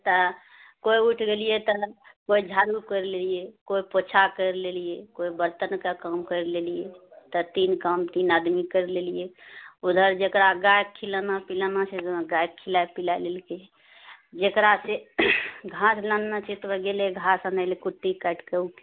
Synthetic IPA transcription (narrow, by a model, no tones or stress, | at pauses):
t̪ə | koiuʈʰɡelijet̪əkoid͡ʒʱaɾukəɾlelijekoipot͡ʃʰakəɾlelijekoibəɾt̪ənkakamkəɾlelijet̪ət̪inkamt̪inad̪mikəɾlelijeud̪ʱəɾd͡ʒekɾaɡajkʰːilanapilanaseɡajk̚kʰilajpilalelke | d͡ʒekɾase | ɡʱãslanːat͡ʃʰet̪bɡeleɡʱasanalekuʈːikəʈkəuke